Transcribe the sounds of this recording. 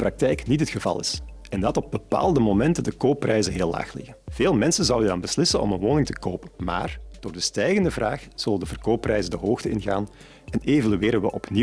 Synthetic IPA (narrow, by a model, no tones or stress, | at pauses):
prɑk̚tɛjknitɦətxəvɑ̰lˠɪ̰s | ɛndɑtɔb̚bəpa̰ːlˠdəmomɛntədəkoːpːrɛjzənɦeːla̰ːxlɪ̰ɣəv̥eːlˠmɛnsənzɑwədɑnbəslɪsənɔ̰mənʋoːnɪŋtə̥koːpənma̰ːrd̥oːrdəstɛjɣəndəvraːxz̥ɵləndəvərkoːpːrɛjzəndəɦoːxtəɪnɣa̰ːn | ɛneːvalyɪːɾənʋə̰ʔɔpni